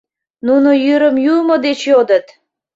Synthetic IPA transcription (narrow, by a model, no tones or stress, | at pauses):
nunojyɾəmjumod̪et͡ɕjod̪ə̆t̪